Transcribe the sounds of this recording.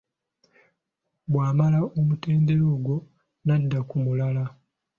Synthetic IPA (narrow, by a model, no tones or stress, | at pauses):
bwaːmalaʔomute̞ːnde̞ɾoːɡwo̞ | nadːakumulala